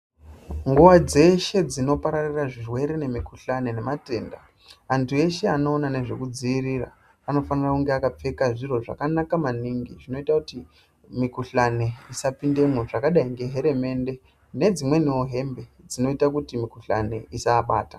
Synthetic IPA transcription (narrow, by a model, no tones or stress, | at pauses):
ŋɡuʋad͡ze̞ʃe̞d͡zino̞paɾariraʐirwe̞ɾe̞ne̞mikuɬanene̞mate̞ːnda | antʰue̞ʃe̞ano̞ːnane̞ʐe̞kud͡ziiɾira̰ | ano̞fanirakuŋɡe̞akap͡fe̞kaʐiro̞ʐa̰kanakamaniŋɡiʐino̞itakuti | mikuɬane̞isapinde̞mwoʐakaɗaiŋɡe̞ɦe̞ɾe̞me̞nde̞ | ne̞d͡zimwe̞nioɦe̞mbe̞ | d͡zino̞itakutimikuɬa̰ne̞̰isaːɓaːta